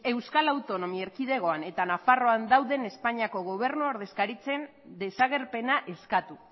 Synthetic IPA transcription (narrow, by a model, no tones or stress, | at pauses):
e̞wskalawt̪o̞no̞mieɾkið̞e̞ɣ̞o̞ane̞t̪anafaro̞and̪awðe̞ne̞spaɲiako̞ɣ̞o̞β̞e̞ɾnuoɾðe̞skaɾit͡se̞n | d̪e̞saɣ̞e̞ɾpe̞naʔe̞skat̪u